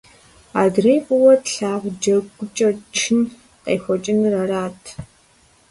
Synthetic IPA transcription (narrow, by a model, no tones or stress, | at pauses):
a̰ːdreːpʊwɔtɬaːʁʷd͡ʒɐɡʷʊt͡ʃʼɐrt͡ʃʰɪn | qḛːxʷɔt͡ʃʼɪnrɐɾaːtʰ